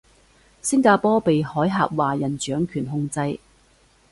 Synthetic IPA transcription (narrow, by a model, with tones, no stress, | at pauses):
sɪ˥ŋkaː˧pɔː˥pe˨jhɔː˨˥jɦaː˨p̚waː˨jɐ˨˩nt͡ʃœː˨˥ŋkʰyː˨˩nɦʊ˧ŋt͡sɐ˧j